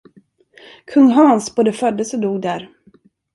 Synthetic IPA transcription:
kʰɵŋːɦɑnsboːd̪əfœd̪ːəsɔd̪uːɡ̚d̪æɾ

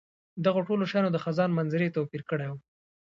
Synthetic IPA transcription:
d̪aɣoʈoloʃɑjnod̪əxazɑnmanzɪɾet̪opiɾkəɽew

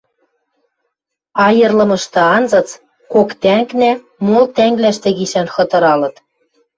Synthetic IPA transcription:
ɑjɤ̆rlɤ̆mɤ̆ʃt̪ɤ̆ɑnzɤ̆t͡s | kokt̪æŋknæ | molt̪æŋɡlæʃt̪ɘ̆ɣiʃænxɤ̆t̪ɤ̆ɾɑlɤ̆t̪

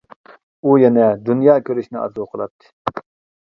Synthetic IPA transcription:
ujɛnɛd̪unjɑːkʲʰøɾyʃnɪʔɑ̰zuqʰəlˠɑ̰t̚t̪ʰːɨ̥

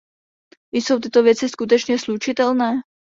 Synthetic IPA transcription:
ɪjso̞wt̪ɪt̪ovjɛt͡sɪskut̪̬ɛt͡ʃɲɛslut͡ʃɪt̪ɛlnɛː

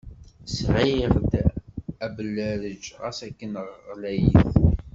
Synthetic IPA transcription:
sʕiʁd̪æblːæɾəd͡ʒʁæsækːənʁːlæjiθ

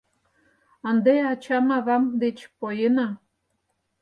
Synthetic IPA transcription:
ənd̪eɑt͡ɕɑmɑβɑmd̪et͡ɕpojenɑ

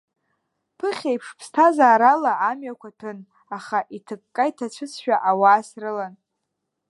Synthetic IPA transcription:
pʰɨχʲejpʰʂpʰstʰazaːɾalaːmɥakʷʰatʰɨn | aχaʔitʰɨkːʼaitʰat͡ɕʷʰɨt͡sʰʃᶣaʔawaːsrɨlan

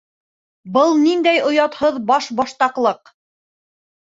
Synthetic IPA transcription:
bɤlˠnind̪æjŏjɑt̪hɤðbɑʃbɑʃt̪ɑqlˠɤq

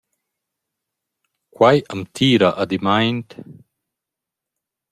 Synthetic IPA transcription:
kwajamt̪ʰiːɾaʔad̪imajnt̪

